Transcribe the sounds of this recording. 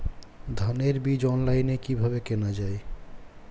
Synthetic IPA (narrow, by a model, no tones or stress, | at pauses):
d̪ʱəneɾbid͡ʒɔnlaɪnekibʱəbekenad͡ʒaj